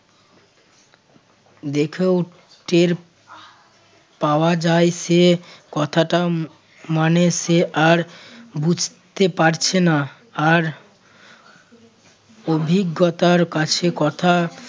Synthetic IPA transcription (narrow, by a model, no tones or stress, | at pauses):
d̪ekʰew | ʈeɾ | paoad͡ʑaeʃekɔt̪ʰaʈa | maneseʔaɾbud͡ʑʱt̪epaɾt͡ɕʰena | aɾ | obʱiɡːot̪aɾkat͡ɕʰekɔt̪ʰa